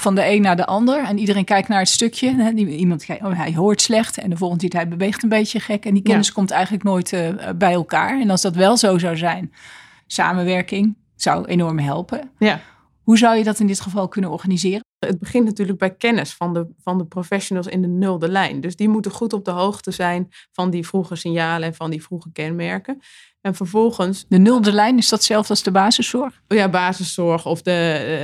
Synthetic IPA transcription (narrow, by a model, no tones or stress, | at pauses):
fɑndəejnːaːɹdəʔɑndəɹɛnidərejnkɛjk̚tnaːɹətstɵkʰjəɦɛimɑntkɛjoɦɛjɦʊːɹtslɛχtɛ̰ndəvɔlˠχəntɪtɦɛjbəʋejχtənbejtəχɛkɛndikɛnɪskɔmtɛjχənləknoːjtbɛjɛlˠka̰ːɹɛnɑlˠsdɑtʋɛlˠzowzɑwzɛjn | sa̰ːmənʋɛɹkɪŋ | z̥ʌ̰wḛjnɔɹmɦɛlˠpə | ɦuzʌwjədɑtɪndɪtχəvɑlˠkɵnənɔɹχanizɪːrəəd̚bəχɪ̃ntnatyːɹləɡ̚bɛjkɛnəsfɑndəvɑndəprofɛʃonəlˠsɪ̰ndənɵlˠdəlɛjndɵzdimutənχutɔb̚dəɦowχtəzɛjnv̥ɑndivruχəsɪnjaːləɛnvɑndifruχəkɛnmɛɹkə | ɛnvəɹvɔlˠχənsdənɵlˠdəlɛjnɪzdɑtsɛlˠfɑlˠzdəbaːzəsɔɹχjabaːzəsɔɹχɔfdə